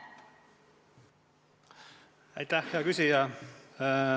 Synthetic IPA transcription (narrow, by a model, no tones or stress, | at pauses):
æ̰jt̪æhjeɑkysʲijɑ